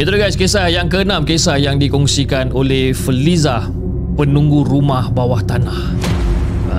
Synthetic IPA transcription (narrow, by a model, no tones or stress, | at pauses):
it̪uuɡajskesajaŋkəənãmkesajaŋdikɔŋsikanolehfəliza | pənũŋɡuɾumahbawaht̪anah